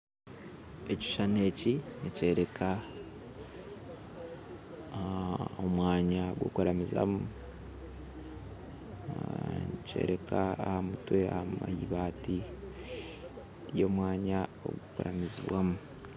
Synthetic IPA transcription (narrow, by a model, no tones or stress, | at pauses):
eci̥ʃane̞ːcinice̞ːɾe̞kʰa | omwaːɲaɡwo̰koɾamiza̰mu | nice̞̰ːɾe̞kʰaːhamutwe̞ahama̰hḭβaːti | jo̞ːmwaːɲao̰ɡukuɾa̰miziβwamu